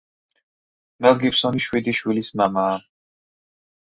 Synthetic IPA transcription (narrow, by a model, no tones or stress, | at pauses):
mɛlˠɡiɾsɔniʃwid̪iʃwilismamaː